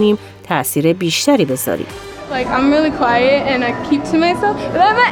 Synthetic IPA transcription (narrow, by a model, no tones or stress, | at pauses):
niːm | t̪ʰæʔsiːɾebiːʃt̪æɾiːbe̞zɒ̰ːɾḭːm | laɪkãɪ̃mɹilˠikʰw̥aɪɨtɨ̃naɪkʰip̚tʰɨmaɪsɛlˠfʌamə